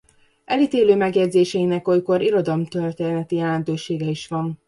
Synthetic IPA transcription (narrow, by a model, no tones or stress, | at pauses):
ɛlit̪eːløːmɛɡjɛd̪ʲzeːʃɛinɛkojko̞ɾiɾo̞d̪ɒlmt̪ørt̪eːnɛt̪ijɛlɛnt̪øːʃeːɡɛiʃʋɒn